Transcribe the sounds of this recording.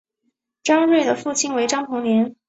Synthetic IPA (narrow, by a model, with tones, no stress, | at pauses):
ʈ͡ʂɑ˥ŋɻwe˥˩ɪd̪ə˩fu˥˩t͡ɕʰi˥˩nwe˧˥ɪʈ͡ʂɑ˥ŋpʰɤ˧˥ŋnjɛ˧˥n